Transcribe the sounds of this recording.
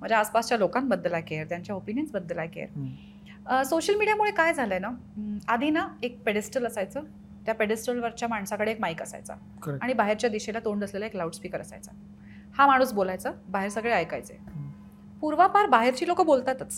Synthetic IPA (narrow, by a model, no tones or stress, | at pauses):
m̤ə̃ɳd͡zeaspast͡ɕjalokambəd̪ːlakeɾt̪jaɲt͡ɕjaopinjənsbəd̪ːəlakḛɾ | soɕəlmiɽijamuɭekajd͡zʱaləjna | ad̪ʱinaek̚peɽesʈələsajt͡səː | t̪japeɽesʈəlʋəɾt͡ɕjamaɳsãkəɽeekmaikəsa̰jt͡sa̰ | kəaɽ̃ibaɦeɾt͡ɕjad̪iɕelat̪oɳd̪əslelaeklauʈspikəɾəsa̰jt͡sa̰ | hamaɽ̃uːsbolajt͡səːbaɦeɾsəɡɭeajka̰jt͡sḛ | puɾʋapaɾbaɦeɾt͡ɕiːlokəbolt̪at̪at͡s